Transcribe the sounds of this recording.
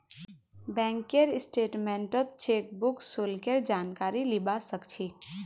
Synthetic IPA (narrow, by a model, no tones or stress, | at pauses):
bɛ̃ːŋkeɾɪsʈeːʈmɛ̃ɳʈət̪t͡ʃeːk̚bʊksolkeɾd͡ʒaːnkaːɾilɪbasəkt͡ʃʰiː